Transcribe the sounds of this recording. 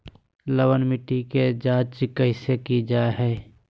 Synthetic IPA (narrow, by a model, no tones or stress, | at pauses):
ləwənmɪʈːiked͡ʒaːd͡ʒt͡ʃkəɦɪsekid͡ʒaːeɦɛː